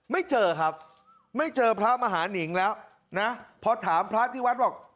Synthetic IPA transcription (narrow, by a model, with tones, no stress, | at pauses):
ma˥˩jt͡ɕɤː˧kʰa˦˥p̚ | ma˥˩jt͡ɕɤː˧pʰɾaː˦˥maː˧ɦaː˩˦ni˩˦ŋlɛː˦˥w | na˦˥pʰɔ˧t̪ʰaː˩˦mpʰɾaː˦˥t̪ʰiː˥˩wa˦˥t̪̚bɔː˨˩k̚